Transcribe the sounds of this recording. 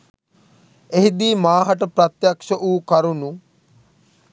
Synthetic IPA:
eɦid̪iːmaːɦɐʈəpɾɐt̪jakʃəʔuːkaɾunu

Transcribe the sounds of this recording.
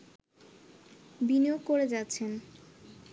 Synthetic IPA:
binijoɡ̚koɾed͡ʑatːɕʰen

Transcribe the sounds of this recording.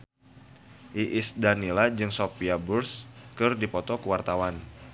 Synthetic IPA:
ʔiʔɪsdanilad͡ʒɨŋsopiaburskɨrdipɔt̪ɔkəwart̪awan

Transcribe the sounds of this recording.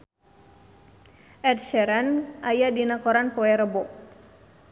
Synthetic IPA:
ʔɛt̚ʃɛɾanʔajadinakɔɾanpoɛɾəbɔʔ

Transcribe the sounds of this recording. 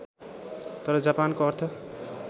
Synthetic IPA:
t̪ʌɾʌd͡zapankoʌrt̪ʰʌ

